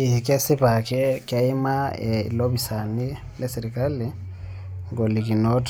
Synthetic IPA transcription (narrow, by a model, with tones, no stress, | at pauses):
i˨hi˨ke˦si˦pa˨ke˦kja˦i˦maeḭ˨lo˦βisa˨ni | le˦siɾikali | ŋɡo˨li˨ki˨not